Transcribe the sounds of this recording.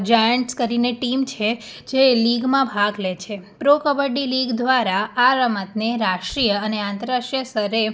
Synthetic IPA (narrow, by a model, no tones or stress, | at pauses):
d͡ʒajəɳʈskəɾineʈimt͡ʃʰe | d͡ʒeliɡmãbʱaɡlet͡ʃʰepɾokəbəɖiliɡd̪ʋaɾaaɾəmət̪neɾaʂʈɾijəəneãnt̪əɾaʃʈɾijəsəɾe